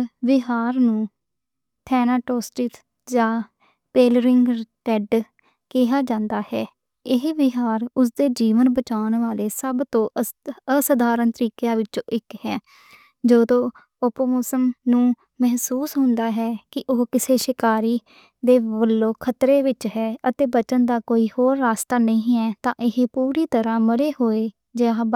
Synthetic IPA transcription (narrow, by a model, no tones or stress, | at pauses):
ʋɪɦaːɾnũː | t̪ʰɛːnaːʈoːsʈɪt̪ | d͡ʒãː | peːlɾɪŋɡʈɛɖ | kɪɦaːd͡ʒãːnd̪aːhɛː | ɪɦʋɪɦaːɾʊs̬d̪eːd͡ʒiːʋənbət͡ʃaːnʋaːleːsəbt̪õːəsəd̪aːɾənt̪əɾiːkejãːʋɪt͡ʃõːʔɪkhɛː | d͡ʒoːd̪õː | ʊpːmoːsəmnũː | mɛɦsuːsɦʊ̃nd̪aːɦɛːkɪʔoːkɪseːʃɪkaːɾiː | d̪eːʋəlːõːkʰət̪ɾeːʋɪt͡ʃɦɛːət̪eːbət͡ʃənd̪aːkoːiːhoːɾːaːst̪aːnəĩːɛːt̪ãːʔɪɦepuːɾiːt̪əɾãːməɾeːɦoːeː | d͡ʒeaː